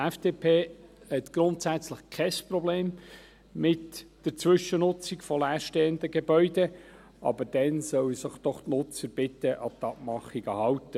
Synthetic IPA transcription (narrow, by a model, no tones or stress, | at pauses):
ɛfd̥eːpʰeː | hɛt̪ɡ̥ɾʊnt̪sæt͡sləχkʰɛsprɔbleːm | mɪtd̥əɾt͡sʋʏʃənʊt͡sikfɔlæːɾʃteːənd̪əɡebœʏd̪ɛ | ʔɑ̰bəɾd̥ɛnsœwəsɪχd̥̪ɔχtnʊt͡səɾb̥ɪt̪əʔɑt̪ɑp̚mɑχiɡəhɑwt̪ə